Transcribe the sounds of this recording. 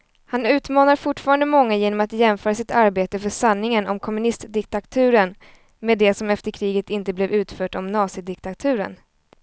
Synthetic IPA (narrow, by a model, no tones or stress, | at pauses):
hanʉ̟ːt̪mɑːnaɾfʊʈfɑːɾand̪əmɔŋːajeːnɔmat̪jɛmfœːɾasɪt̪aɾbeːt̪əfœʂanːɪŋənɔmkʰɔmɵnɪst̪d̪ɪkt̪at̪ʰʉ̟ːɾən | meːd̪ɛsɔmɛft̪əɾkʰɾiːɡət̪ɪnt̪əblɛvʉ̟ːt̪fœːʈɔmnɑːsɪd̪ɪkt̪at̪ʰʉ̟ːɾə̰n